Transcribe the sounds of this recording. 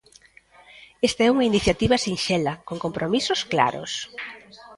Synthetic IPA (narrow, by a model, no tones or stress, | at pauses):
est̪aɛuŋɐiniθjat̪iβɐsinʃɛlɐkoŋkompɾomisʊskla̰ɾʊ̰s